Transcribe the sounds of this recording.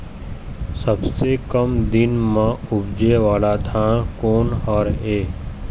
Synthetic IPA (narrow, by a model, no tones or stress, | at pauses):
səbsekəmd̪ɪnmãʊbd͡ʒeʋaːlad̪ʱãːɽ̃koːnɔːɾeː